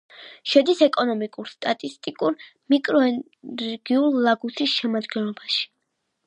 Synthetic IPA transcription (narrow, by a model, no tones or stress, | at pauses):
ʃɛd̪isɛkʼɔnɔmikʼuɾst̪ʼat̪ʼist̪ʼikʼuɾmikʼɾɔɛ | ɾɡ̥iulˠːaɡusisʃɛmad̪ɡɛnlˠɔbaʃi̥